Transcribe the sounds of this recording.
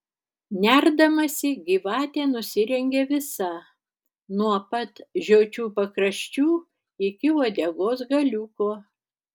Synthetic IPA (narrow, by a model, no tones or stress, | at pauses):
nʲæɾd̪ɐmɐsʲɪɡʲiːʋɑːt̪ʲeːnʊsʲɪɾʲɛŋʲɡʲeːʋʲɪsɐ | nuɔpɐt̪ʒʲoːt͡ʃʲuːpɐkɾɐʃʲt͡ʃʲuː | ɪkʲɪoːd̪ʲeɡoːs̬ɡɐlʲuːkoː